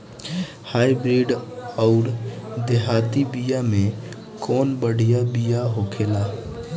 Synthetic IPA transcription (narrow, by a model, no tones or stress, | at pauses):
haːibɾiːɖɔʊɾd̪eɦaːt̪ibijamẽ | kɔːnbəɽ̤ʱijabijaɦoːkʰeːlaː